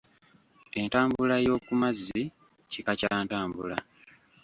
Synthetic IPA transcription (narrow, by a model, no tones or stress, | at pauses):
e̞ntaːmbulajo̞ːkumazːi | cikacaːntaːmbula